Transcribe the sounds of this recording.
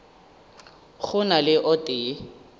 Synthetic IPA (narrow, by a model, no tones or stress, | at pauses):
χʊnalɪʔɔtʼɪː